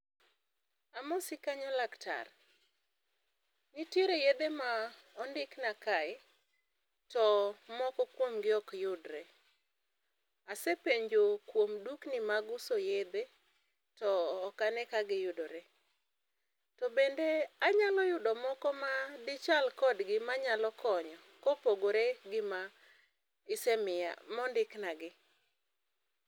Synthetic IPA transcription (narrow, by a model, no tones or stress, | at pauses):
amɔsɪkaɲɔlakta̰r | nɪteɾejed̪emaɔndɪknakaɪ | tɔmɔkɔkwomɡɪɔkjʊdɾɛ | asepeɲd͡ʒokwomduknɪmaɡʊsojed̪e | tɔːkanɛkaɡɪjʊdoɾe | tɔbendeaɲalɔjʊdɔmɔkɔmadɪt͡ʃalkɔdɡɪmaɲalɔkɔɲɔ | kopoɡoɾeɡɪma | ɪsemɪa̰mɔndɪknaɡɪ